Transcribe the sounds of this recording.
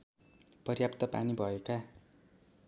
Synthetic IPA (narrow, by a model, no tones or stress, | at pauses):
pʌrjapt̪ʌpa̰nibʱʌeka